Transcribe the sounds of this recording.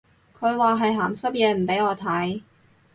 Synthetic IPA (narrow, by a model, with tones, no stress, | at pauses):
kʰɵ˨˧ɥwaː˨ɦɐ˨jɦaː˨˩msɐ˥p̚jɛː˨˧m̩˨˩pe˨˥jɔː˨˧t̪ʰɐ˨˥j